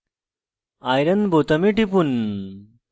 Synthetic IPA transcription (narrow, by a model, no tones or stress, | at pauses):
aːjɾɐnbʱot̪ɐmiʈipun